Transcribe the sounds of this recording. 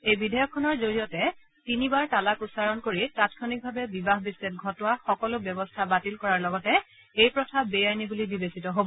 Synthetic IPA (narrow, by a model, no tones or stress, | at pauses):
ejbidʱajɔkʰːɔnɔɹzoɹijɔtɛ | tinibaɹtalakʊsaɹɔnkoɹitatkʰɔnik̚bʱabɛbibaɦbiset̚ɡʱɔtʊwaxɔkɔlʊbjɔbɔstʰabatilkɔɹaɹlɔɡɔtɛ | ejpɹɔtʰabejajnibulibibesitɔɦobɔ